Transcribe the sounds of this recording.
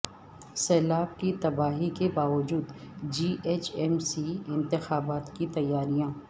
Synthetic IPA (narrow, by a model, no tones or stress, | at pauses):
sɛːlaːb̚kit̪ɐbaːɦikebaːʋəd͡ʒuːd̪d͡ʒiːʔeːt͡ʃɛmsiɪ̃nt̪ɪxaːbaːt̪kit̪ɐjːaːɾijãː